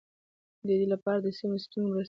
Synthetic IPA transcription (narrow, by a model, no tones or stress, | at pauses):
d̪əd̪elapɑɾad̪əsimest̪unɾa